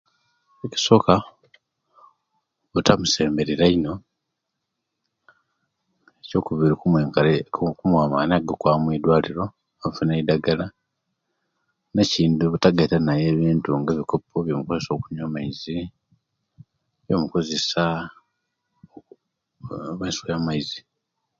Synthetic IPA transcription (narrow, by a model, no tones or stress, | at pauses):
eci̥so̞ːka | βutamuse̞ːmbe̞ɾiɾaino̞ | eco̞ːkuβiɾikue | kumwaːmanaɡokwaːmwidwaːliɾo̞ | aɱfuneidaɡala | neciːnduβutaɡaitanaje̞ːβiːntuŋɡeβiko̞pʰoβjo̞muko̞ze̞so̞kuɲaːmaizi | βjo̞̰muko̞ze̞sa | βasu̥kjaːmaizi